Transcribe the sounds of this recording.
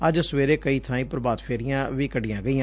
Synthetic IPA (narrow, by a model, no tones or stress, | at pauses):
əd͡ʒsəʋeːɾeːkəiːt̪ʰãːĩːpəɾbaːd̪pʰeːɾɪjãːʋiːkəɖɪjãːɡəiːãː